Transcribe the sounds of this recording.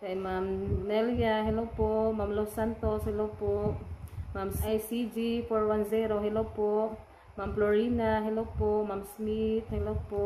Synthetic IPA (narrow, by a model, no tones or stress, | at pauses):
kajmamnɛlijaɦelopomamlosant̪ɔshɛlopo | mamajsid͡ʒifɔɹwanzɛɾoɦɛlopo | mamploɾinaɦelopomamsmit̪̚hɛlopo